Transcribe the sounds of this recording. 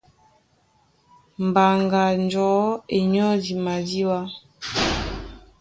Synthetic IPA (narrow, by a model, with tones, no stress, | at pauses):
m˨ba˨ŋɡa˨nd͡ʒɔ˨˦e˨ɲɔ˦di˨ma˨di˦wa˦